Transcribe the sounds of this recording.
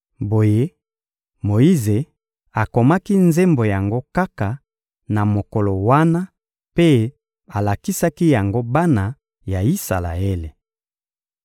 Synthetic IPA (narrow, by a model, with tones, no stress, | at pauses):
bo˨je˦ | mo˨i˦ze˨ | a˨ko˨ma˦ki˦nze˦mbo˨ja˨ŋɡo˦ka˦ka˨ | na˨mo˨ko˨lo˨wa˦na˦ | pe˦ | a˨la˨ki˦sa˦ki˦ja˨ŋɡo˦ba˦na˨ | ja˨i˦sa̰˨la̰˨e˦le˨